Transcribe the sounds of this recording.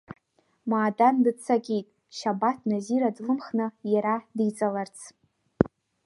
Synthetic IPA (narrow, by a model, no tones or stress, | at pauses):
maːdandɨt͡sʰakʲʼijtʼ | ʃabatʰnaziɾadlɨmχnɨjaɾadit͡sʼalart͡sʰ